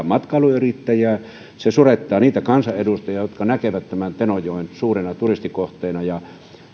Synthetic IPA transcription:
mɑt̪kɑluyrit̪ːæjæː | sesuret̪ːɑːniːt̪ækɑnsɑʔedust̪ɑjɑjot̪kɑnækeʋæt̪t̪æmænt̪enojˑoˑinsuːrenɑt̪urist̪ikoht̪ˑeːnɑjɑ

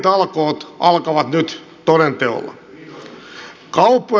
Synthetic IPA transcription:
t̪ɑlkoːt̪ʔɑlkɑʋɑt̪nyt̪ | t̪oɾent̪eo̰lːɑ̰ | kɑupːo

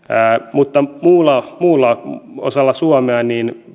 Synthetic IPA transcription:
æːmut̪ːɑmuːlːɑmuːlːɑo̰sɑlːɑsuɑmeɑniːn

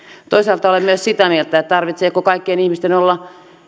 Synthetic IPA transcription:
t̪oisɑˑlt̪ɑolemmyøssit̪æmielt̪æet̪t̪ɑrʋit̪seːkokɑikːienihmist̪enolːɑ

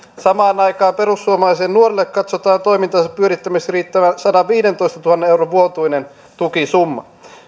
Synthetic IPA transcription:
sɑmɑːnɑikɑːmpeɾusːuomɑlɑˑiseːnnuorilːekkɑt̪sot̪ɑːnt̪oimint̪ɑsɑppyøɾit̪ːæmesriːt̪ːæʋæsɑdɑʋʋiːdent̪oist̪ɑt̪uhɑnːeeuroʋʋuot̪uinen | t̪ukisumːɑ

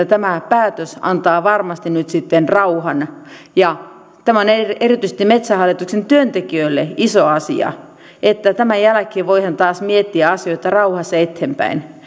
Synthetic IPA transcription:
t̪æmæpæːt̪øsɑ̰nt̪ɑːʋɑrmɑst̪innyt̪sit̪ːenrɑuhɑn | jɑ | t̪æmæoneerit̪yise̥st̪imet̪sæhɑlːit̪uksent̪yønt̪ekiøilːeʔisoɑsḭɑ̰ | ʔet̪ːæt̪æmæjælækeːʋoihɑnt̪ɑːsmiet̪ːiæɑsioit̪ɑrɑuhɑsːɑet̪hempæ̰in

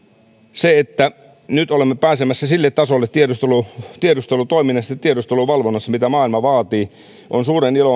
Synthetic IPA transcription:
seet̪ːæ | nyt̪olemːepæːsemæsːæsilːet̪tɑsolːet̪tiedust̪elut̪iedust̪elut̪oiminːɑst̪eɑt̪t̪ːiedust̪eluʋɑlʋonːɑsːɑmit̪æmɑːilmɑʋɑːt̪iː | ʔonsuːɾenilo

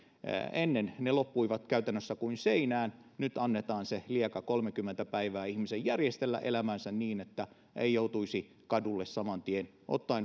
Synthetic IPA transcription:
enːennelopːuiʋɑt̪kæyt̪ænːøsːækuinseinæːnnyt̪ɑnːet̪ɑːnseliekɑkolmekymːent̪æpæiʋæːihmisejjærjest̪elːæ̰ʔḛlæmænsænniːnet̪ːæ | ḛijout̪uisi | kɑdulːessɑmɑnt̪ien | ʔo̰t̪ːɑin

